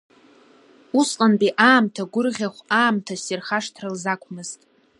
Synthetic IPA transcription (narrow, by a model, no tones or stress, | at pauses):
uslʼanpʼiʔaːmtʰaɡʷʊrʁʲaχʷaːmtʰasirχaʂtʰrɨlzakʷʰʼmɨztʼ